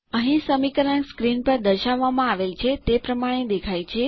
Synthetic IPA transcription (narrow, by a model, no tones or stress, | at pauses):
əɦĩsəmikəɾəkskɾinpəɾd̪əʃaʋːamãaʋelt͡ʃʰet̪epɾəmaɽ̃ed̪ekʰajt͡ʃʰe